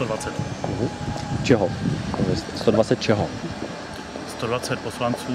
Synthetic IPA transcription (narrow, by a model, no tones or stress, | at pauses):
t̪odvat͡sɛt̪ɦ̩t͡ʃɛɦoɛst̪odvat͡sɛt̪̚t͡ʃɛɦo | st̪odvat͡sɛt̪̚poslant͡suː